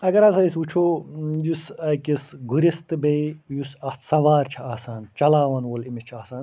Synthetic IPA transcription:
ɐɡɐɾɐsɐisut͡ʃʰoːjusɐkisɡuɾist̪ɨbeijusɐht̪sɐʋaːɾt͡ʃʰɐaːsaːnt͡ʃɐlaːʋɐnwolimit͡ʃʰɐːsaːn

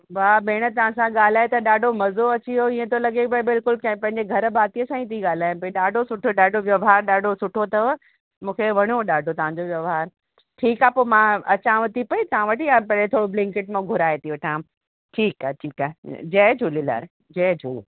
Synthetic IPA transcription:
baːbeːɽ̃ət̪ɐʋ̤ãsãɠaːl̤aːet̪ɐɗaːɖʱomɐzoɐt͡ɕiɦoiːə̃t̪ʰolɐɡebɐbɪlkʊlkɐ̃pɐ̃ɦɪ̃ɲ̆d͡ʑeɡʱɐɾbʱaːt̪ijəsãːĩt̪ʰiɠaːl̤aːjpɐiɗaːɖʱosʊʈʰoɗaːɖʱoʋjɐʋɦaːɾɗaːɖʱosʊʈʰot̪ɐʋ | mũːkʰeʋɐɽ̃oɗaːɖʱot̪ɐʋ̤ãɲd͡ʑoʋjɐʋɦaːɾ | ʈʰiːkaːpoːmãɐt͡ɕãʋɐt̪ipɐit̪ɐʋãʋɐʈijãːpɐet̪ʰoːɽoblɪ̃ŋkɪʈmãɡʱʊɾaːet̪iʋɐʈʰãːm | ʈʰiːkaːʈʰiːkaːḛd͡ʑɛːd͡ʑʱuːlila̰ːɾ | d͡ʑɛːd͡ʑʱu

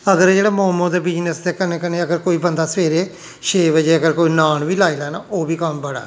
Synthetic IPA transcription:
əɡəɾd͡ʒeːɽeːmoːmõːd̪eːbɪd͡ʒnəsd̪eːkəneːkəneːəɡəɾkoːiːbənd̪aːsəʋeːɾeː | ʃeːʋəd͡ʒeːəɡəɾkoːiːnaːɳʋiːlaːilaːnaːoːbiːkəmbəɽa̰ː

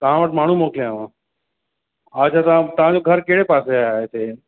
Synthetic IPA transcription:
t̪ɐʋ̤ãʋəʈmaːɳ̤ũmoːkʰliãːʋãː | at͡ʃʰaːt̪ãt̪ɐʋ̤ãd͡ʑoːɡʱɐɾkeɦɽepaːseaːɦet̪ʰeː

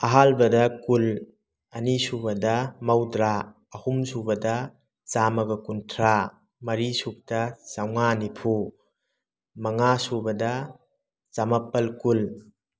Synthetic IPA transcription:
ɐɦalbɐdɐkul | ɐnisubɐdɐmɐwdɾaː | humsubɐdɐ | t͡ʃamɐɡɐkuntʰɾa | mɐɾisuk̚tɐsawŋanipʰu | mɐŋasubɐdɐ | t͡ʃamɐpːɐlkul

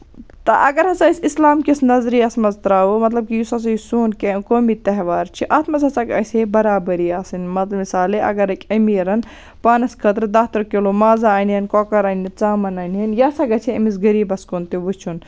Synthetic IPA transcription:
t̪ɐ̰ʔɐɡɐɾɦɐsɐisislaːmkisnɐzɾiːɐsmɐzt̪ɾaːumɐt̪lɐb̚kijusɐs̬ɐjsuːnkekoːmit̪ɐɦʋaːɾt͡ʃʰiʔaːt̪mɐzɐsɐkɐ̰sebɐɾaːbɐɾiaːsinmɐt̪lɐmisaːleʔɐ̰ɡɐɾɐkʲʼɐmiːɾɐn | paːnɐskʰɐt̪ɾd̪aːt̪ɐɾkelomaːzaːnjɐnkoːkɐɾaːnit͡saːmɐnɐːnɦɐnjɐsɐɡɐt͡ʃʰeɐmizɡɐɾiːbɐskont̪iʋɨt͡ʃʰun

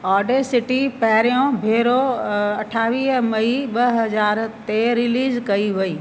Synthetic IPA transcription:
ɔːɾɖesɪʈipɐɦɪɾijõbʱeːɾoɐʈʰaːʋiːɦmɐiɓɐɦɐzaːɾt̪eɾɪliːzkɐiʋɐiː

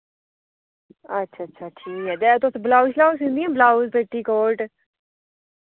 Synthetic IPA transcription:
ətːʃʰaːətːʃʰaʈʰiːkɦɛːd̪ɛːt̪oːsblaːʊʃlaːʊsɦũnd̪iɛ̃blaːʊsbeʈːiːkoːɾʈ

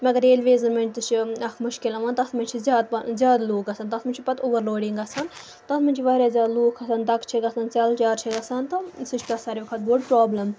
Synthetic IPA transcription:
mɐɡɐɾeːlʋeːzɐnmɐnʲd͡ʒʲt̪ɨt͡ʃʰiɐkʰmʊʃkilɐʋɐːnt̪ɐsmɐnʲt͡ʃʰizjaːd̪̚pzʲjaːd̪luːkɐsɐːnt̪ɐsmɐnt͡ʃʰipɐt̪ubɐɾloːɽiŋɡɐsɐn | t̪ɐt̪mɐnʲt͡ʃʰiʋɐːɾʲaːzʲjaːd̪luːkʰɐsɐnd̪ɐkʰt͡ʃʰiɡɐsɐnt͡saːlt͡ʃaːɾt͡ʃʰiɡɐsant̪ɐsɨt͡ʃʰk̪ɐsaːɾʲiʋɐkʰɐt̪̚boːɖpɾaːblɐm

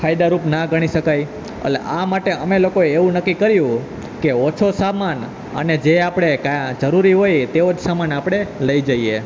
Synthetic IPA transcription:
kʰaid̪aɾupnaɡʱəɽ̃iʃəkaj | ə̰lḛʔamaʈeəmelokoeːʋũnəkːikəɾjũ | keot͡ʃʰosaman | ə̰ned͡ʒeapɽ̃ekajãd͡ʒəɾuɾiɦojt̪eod͡ʒsamanapɽ̃eləid͡ʒəie

